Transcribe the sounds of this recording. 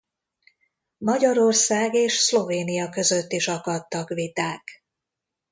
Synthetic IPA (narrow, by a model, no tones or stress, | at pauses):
mɒɟɒɾo̞rsaːɡeːʃslo̞veːnijɒkø̞zø̞t̪ːiʃɒkɒt̪ːɒkvit̪aːk